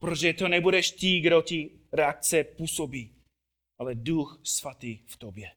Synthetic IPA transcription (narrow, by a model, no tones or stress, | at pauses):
pɾɛt̪oʒɛt̪onɛbudɛʃt̪iːɡdoci | ɾɛak̚t͡sɛpusobiː | alɛd̪uxsvat̪iːft̪objɛ